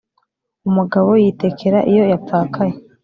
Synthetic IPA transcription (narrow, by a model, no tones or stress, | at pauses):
umuɡaβo̞jite̞kʰe̞ɾaʔijo̞jap̪p͡faːkʰaje